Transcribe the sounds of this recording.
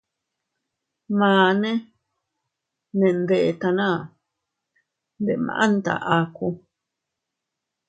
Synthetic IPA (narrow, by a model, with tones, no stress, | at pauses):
mãː˨nẽ˦ | nẽ˨nd̪e˨ʔe˧t̪a˧nãː˦˨ | nd̪e˨mã̰˨˧ʔã˦nt̪a̰˨ʔa˧ku˧